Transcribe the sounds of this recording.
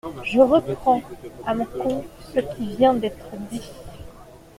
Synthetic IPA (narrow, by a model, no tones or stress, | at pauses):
ʒəʁəpχɑ̃amɔ̃kɔ̃t̪səkʲivjɛ̃d̪ɛt̪χəd̪i